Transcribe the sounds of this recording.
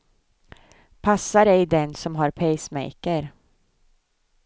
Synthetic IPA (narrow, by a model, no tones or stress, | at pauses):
pʰasːaɾɛjd̪ɛnsɔmɦaɾpʰɛjsmɛ̰jkəɾ